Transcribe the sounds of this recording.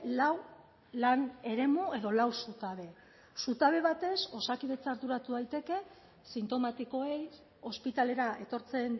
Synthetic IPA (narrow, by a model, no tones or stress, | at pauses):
law | lane̞ɾe̞mue̞ðo̞lawsut̪aβe̞ | sut̪aβ̞e̞β̞at̪e̞so̞sakiðe̞t͡saɾðuɾat̪uðajt̪e̞ke̞ | sint̪o̞mat̪iko̞ej | o̞spit̪ale̞ɾae̞t̪o̞ɾt͡se̞n